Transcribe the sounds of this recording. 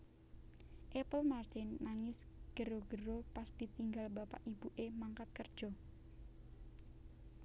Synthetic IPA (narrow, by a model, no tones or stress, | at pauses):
ʔɛpəlmart̪ɪnːaŋɪsɡ̥əɾoɡəɾopasd̪̥it̪iŋɡalbapa̰ʔib̥uʔemaŋkat̪̚kərd̥ʒ̥ɔ